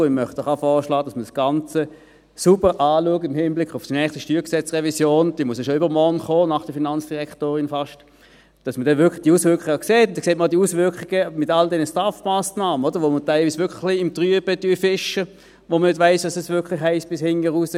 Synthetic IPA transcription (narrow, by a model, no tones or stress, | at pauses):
ɪmœχtɔχɑfɔːʃlɑːd̥ɑsmədsɡ̥ɑnt͡sə | subəʁʔɑːluəkɪmhɪmblɪkχʊfsnɛːχstəʃtyːksɛt͡sʁɛvisjoːnd̥iːmuəsjɑʃoyːbəʁmɔnχoːnɑχd̥əfinɑnt͡sd̥iʁɛktoːʁɪnfɑʃt | d̥ɑsmədɛnvʏɐkʰlɪd̥iːuːsvʏʁkχɪɡakseːtʊntd̥ɛkseːt̚madiusvʏɐkχɪɡ̥əmɪtɑldɛnəstɑfmaːsnaːmənod̥əʁʋomətaɪlviːsvʋʏkʰlliɪmtʁyəb̥əd̥yːfɪʃə | ʋomənɪdvaɪsʋɑsɛsvʏɐkʰlɪχhɛɪst̚b̥ɪshɪŋəʁusə